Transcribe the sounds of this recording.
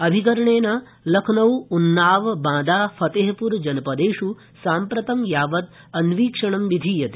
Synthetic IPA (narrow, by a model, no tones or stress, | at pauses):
ɐbʱikɐɾɐɳeːnɐ | lɐkʰnɐwunːaːʋbãːd̪aːpʰɐt̪eːɦɐpuɾd͡ʒɐnɐpɐd̪eːʂu | saːmpɾɐt̪ɐmjaːʋɐt̪̚ | ɐnʋiːkʂɐɳɐmʋid̪ʱiːjɐt̪e